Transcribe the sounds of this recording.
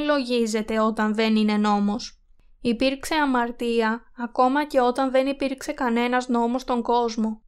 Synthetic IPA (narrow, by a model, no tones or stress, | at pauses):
lo̞ʝize̞t̪e̞ot̪ɐnðe̞nine̞no̞mo̞s | ipiɾkse̞ɐmɐɾt̪iɐːko̞mɐce̞o̞t̪ɐnðe̞nipiɾkse̞kɐne̞nɐzno̞mo̞st̪o̞ŋɡo̞zmo̞